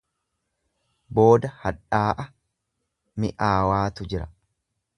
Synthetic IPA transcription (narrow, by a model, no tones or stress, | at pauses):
bo̞ːd̪ɐhɐᶑaːʔɐ | mɪ̰ʔaːwaːt̪ʊd͡ʒɪɾɐ̰